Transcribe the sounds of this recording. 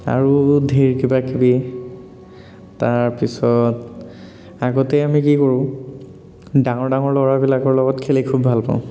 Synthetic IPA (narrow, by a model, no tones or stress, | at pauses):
a̰ɹudʱiɹkibakibi | taɹpisɔt | aɡɔtɛamikikoɹʊ̃ | dãŋɔɹdaŋɔɹlɔɹabilakɔɹlɔɡɔtkʰelikʰubʱalpa̰ʊ̃